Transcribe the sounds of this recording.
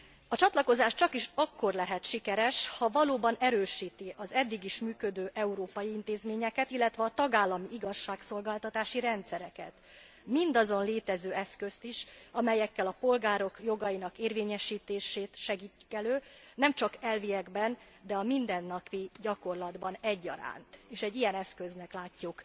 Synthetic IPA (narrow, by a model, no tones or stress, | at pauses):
ɒt͡ʃɒt̪lɒko̞zaːʃt͡ʃɒkiʃɒkːo̞rlɛɦɛt̪ʃikɛɾɛʃhɒvɒloːbɒnɛɾøːʃiːt̪iʔɒzɛd̪ːiɡiʃmyːkø̞d̪øːʔɛuɾoːpɒjiint̪eːzmeːɲɛkɛt̪ilːɛt̪ʋɛɒt̪ɒɡaːlːɒmiiɡɒʃːaːkso̞lɡaːlt̪ɒt̪aːʃiɾɛnt̪sɛɾɛkɛ̰t̪ | mind̪ɒzo̞nleːt̪ɛzøːɛskø̞st̪iʃɒmɛjɛkːɛlɒpo̞lɡaːɾo̞kjo̞ɡɒinɒkeːrveːɲɛʃiːt̪eːʃeːt̪ʃɛɡiːcːkɛløːnɛmt͡ʃɒkɛlvijɛɡbɛn | d̪ɛɒmind̪ɛnːɒpiɟɒko̞rlɒd̪bɒnɛɟːɒ̰ɾa̰ːnt̪eːʃɛɟːijɛnɛskø̞znɛklaːcːuk